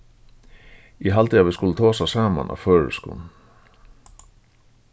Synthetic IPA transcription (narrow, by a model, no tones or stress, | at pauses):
iɦɑlt̪ʰiɑʋiskʊlːət̪ʰɑːsɑsɑːma̰nʔɑ̰føːɹə̰skʊ̰n